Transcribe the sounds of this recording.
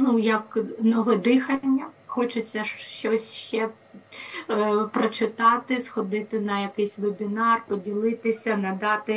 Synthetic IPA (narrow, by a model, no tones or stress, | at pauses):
nujɐknɔʋɪd̪ɪxɐnʲːɐxɔt͡ʃɪt͡sʲːɐʃʃt͡ʃɔsʲʃt͡ʃɛ | pɾɔt͡ʃɪt̪ɑt̪ɪsxɔd̪ɪt̪ɪnɐjɐkɪjsʲʋebʲinɑrpɔdʲilˠɪt̪ɪsʲɐnɐd̪ɑt̪ɪ